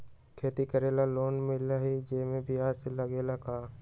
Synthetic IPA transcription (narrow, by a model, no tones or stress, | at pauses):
kʰeːt̪ikəɾeːlaloːnmɪlaɦid͡ʒeːmẽbʱiaːɾseləɡeːlakaː